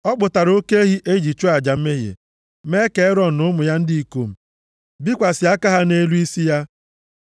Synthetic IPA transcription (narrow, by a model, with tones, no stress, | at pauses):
ɔ˦k͡pʊ˨ta˨ɾo˦ke˦e˦ɦi˦ʔe˦d͡ʒi˨t͡ʃu˦a˨d͡ʒa˨m̩˦me˦ɦḛ˨ | me˦ke˦ɾɔ˦˨nʊ˦mʊ˨ja˦n̩˦di˦i˨ko˨m̩˨ | bi˦kʷa˨sɪ˨a˦ka˦ɦa˦ne˦lu˦i˦si˦ja˦